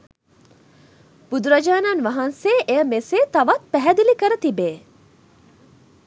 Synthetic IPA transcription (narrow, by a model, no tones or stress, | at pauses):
b̥ud̪uɾɐd͡ʒaːnanʋɐɦanseːʔeəmeseːt̪ɐʋat̪̚pɛɦɛd̪ilikəɾɐt̪ibeː